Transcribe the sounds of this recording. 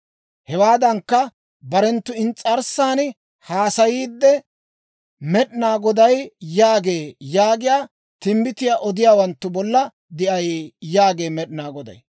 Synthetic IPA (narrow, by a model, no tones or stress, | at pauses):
hɛwaːd̪ɐŋkːɐ | bɐɾɛnt̪ːʊɪnt͡sʼɐɾsːaːn | haːsɐjiːd̪ːɛ | mɛɗnaːɡɔd̪ɐjjaːɡeːjaːɡɪjaː | t̪ɪmbɪt̪ɪjaːʔɔd̪ɪjaːwɐnt̪ːʊbɔlːɐ | d̪ɪʔɐjjaːɡe̞ːmɛɗɪnaːɡɔd̪ɐ̰j